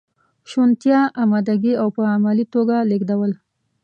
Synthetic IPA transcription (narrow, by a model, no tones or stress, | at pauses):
ʃont̪jɑamɑd̪aɡiawpəamalit̪oɡaleɡd̪awəl